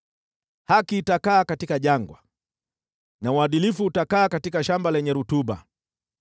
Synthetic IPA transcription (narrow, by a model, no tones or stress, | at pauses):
hakiːtakaːkatikaʄaŋɡwa̰ | nauaɗilifuːtakaːkatikaʃambalɛɲɛɾutuɓa̰